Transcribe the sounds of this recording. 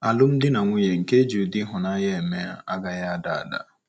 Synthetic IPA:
a˨lʊ˦m̩˦dɪ˦na˨ŋʷu˦je˨ŋ̩˨ke˦d͡ʒu˨dɪ˦ɦʊ˨na˦je˦e˨me˦a˦a˦ɡa˨ja˦a˨da̰˨a̰˨da̰˨

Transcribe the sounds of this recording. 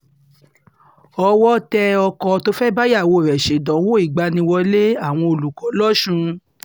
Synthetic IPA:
ɔ˧wɔ˦tɛ˧ɔ˧kɔ˧to˦fɛ˦ba˦ja˦˨wo˧˨ɾɛ˨ʃe˨˦dɔ̃˨˦wo˦i˦˨ɡ͡ba˧nĩ˧wɔ˧le˦a˦˨w̃ɔ̃˧o˧lu˨kɔ̃˨˦lɔ˦ʃũ˧

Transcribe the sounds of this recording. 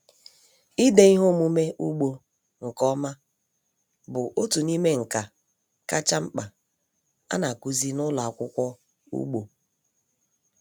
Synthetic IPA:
i˦de˨i˦ɦo˦mu˦me˦ʔu˦ɡ͡bo˨ | ŋ̩˨kɔ˦ma˦ | bʊ˨ʔo˦tu˨ni˦me˦ŋ̩˨ka˨ | ka˦t͡ʃa˦ŋ͡m̩˦k͡pa˨ | a̰˦na˨ku˦zi˦nʊ˦la˨a˨kʷʊ˦kʷɔ˦ | ṵ˦ɡ͡bo˨

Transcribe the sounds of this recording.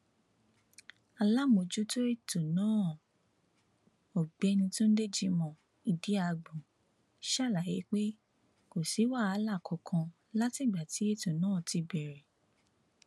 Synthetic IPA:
a˧la˦mo˧˨d͡ʒu˦to˦e˦˨to˨nãː˨˦˨ | o˨ɡ͡bɛ˨ɛ˧nĩ˧tũ˦n̩˦de˦˨d͡ʒi˧mɔ̃˧˨ | i˧di˨˦a˦˨˧ɡ͡bũ˨ | ʃa˦˨la˨je˨˦k͡pe˦ | ko˨si˨˦wa˦˨a˧˦la˦˨kʰɔ˨kʰã˧ | la˦tĩ˦˨ɡ͡ba˨ti˨˦e˦˨to˨nãː˨˦˨ti˧bɛ˨ɾɛ˨

